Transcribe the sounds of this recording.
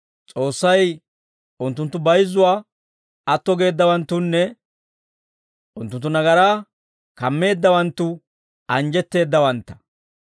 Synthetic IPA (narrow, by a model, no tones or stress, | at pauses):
t͡sʼo̞ːsːɐj | ʊnt̪ːʊnt̪ːʊbɐjzːʊwaː | ɐt̪ːɔɡe̞ːd̪ːɐwɐnt̪ːʊnːɛ | ʔʊnt̪ːʊnt̪ːʊnɐɡɐɾaː | kɐmːe̞ːd̪ːɐwɐnt̪ːʊ | ɐnd͡ʒɛt̪ːe̞ːd̪ːɐwɐnt̪ːɐ̥